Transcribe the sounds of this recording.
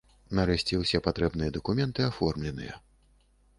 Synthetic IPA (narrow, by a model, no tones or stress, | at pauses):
naɾɛsʲt͡sʲɛwsʲɛpat̪ɾɛbnɨjɐd̪ɐkumʲɛnt̪ɨafɔrmlʲɛnɨ̰jɐ̰